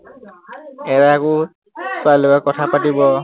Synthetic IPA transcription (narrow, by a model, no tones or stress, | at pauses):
ɛɹaakʊ | swajlokakɔtʰapatibɔ